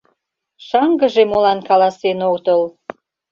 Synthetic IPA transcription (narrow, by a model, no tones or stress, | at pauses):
ʃɑŋɡə̆ʒemolɑnkɑlɑsenokt̪əl